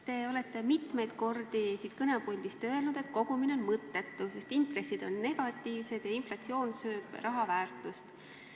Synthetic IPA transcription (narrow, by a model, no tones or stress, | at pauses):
t̪e̞o̞le̞t̪ːˑe̞mit̪me̞jd̪̥ko̞rd̪̥isiːt̪kɤnepolʲd̪̥ist̪ø̞e̞lnud̪̥e̞t̪̚ko̞ɡ̥umine̞onmɤt̪ːˑe̞t̪ːuse̞st̪int̪re̞sid̪̥o̞nːe̞ɡ̥ɑt̪ːˑiːvse̞d̪̥jɑinflɑt̪sio̞ːnsø̞ːb̥rɑɦɑvæːrt̪ˑust̪